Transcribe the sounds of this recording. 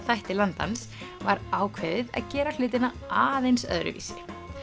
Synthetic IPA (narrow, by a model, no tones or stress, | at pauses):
θajht̪ɪlant̪a̰ns | vaɾaːwkʰveːðɪða̰ðcɛːɾal̥ɪːt̪̬ɪna | aːðejnsœ̰ðɾʏ̰vḭːsɪ